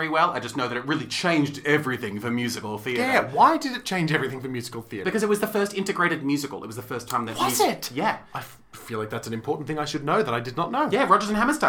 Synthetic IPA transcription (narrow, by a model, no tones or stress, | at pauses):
ɛɹiwɛlˠaɪd͡ʒʌstⁿnoʊðɨɾɨt̚ɹɪlˠit͡ʃʰẽɪ̃nd͡ʒdɛvɹiθɪ̃ŋfə˞mjʉzɨkl̩ˠθiɨɾæwaɪdɨɾɨt̚t͡ʃʰẽɪ̃nd͡ʒɛvɹiθɪ̃ŋfə˞mjʉzɨkl̩ˠθiɨɾbɨkʰʌzɨt̚wʌzðɨfɜ˞stɪ̃ntɨɡɹeɪɾɨd̚mjʉzɨkl̩ˠɪ̰t̚wʌzðəfɜ˞stʰãɪ̃mðɨtzɪtjæʔaɪ | filaɪk̚ðætsn̩ɨ̃mpʰɔɹʔn̩θɪ̃ŋaɪʃɨdⁿnoʊðəɾaɪdɨdⁿnətⁿnoʊjæɹɑd͡ʒə˞zɨ̃nhæməstə̃